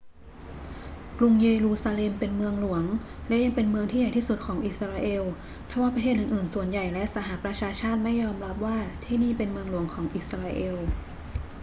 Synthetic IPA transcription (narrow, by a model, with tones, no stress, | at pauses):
klu˧ŋjeː˧ɾuː˧saː˧le˧mpe˧nmɯ˧əŋlu˨˩˦əŋ | lɛ˦˥ʔja˧ŋpe˧nmɯ˧əŋʰiː˥ja˨˩jt̪iː˥˩su˨˩t̪̚kʰɔː˩˦ŋʔi˨˩t̪sɾaː˧ʔeː˧w | t̪ʰaː˧˩waː˥˩pɾa˧t̪ʰeː˥˩t̪ʔɯː˨˩nʔɯː˨˩nsu˨˩ənja˨˩jlɛ˦˥ʔsa˨˧˦ɦa˧˩˨pɾa˧t͡ɕʰaː˧t͡ɕʰaː˥˩t̪̚ma˥˩jːɔː˧mɾa˦˥p̚waː˥˩t̪ʰiː˥˩niː˥˩pe˧nmɯ˧əŋlu˨˩˦əŋkʰɔː˩˦ŋʔi˨˧˩t̪sɾaː˧ʔeː˧w